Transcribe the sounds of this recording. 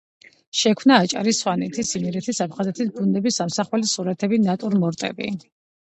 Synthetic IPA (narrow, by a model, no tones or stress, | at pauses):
ʃɛkʰmnaːt͡ʃʼa̰ɾisswanɛt̪ʰisimɛɾɛt̪ʰisapʰχazɛt̪ʰisbund̪ɛbisamsaχwɛlisuɾat̪ʰɛbinat̪ʼuɾmɔɾt̪ʼɛ̰bḭ